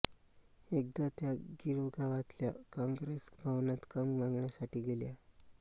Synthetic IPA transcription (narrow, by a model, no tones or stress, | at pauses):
ek̚d̪at̪jaɡiɾoɡʱaʋat̪ljakãŋɡɾesbʱaʋnat̪kəmmãŋɡɳjasaʈiːɡelja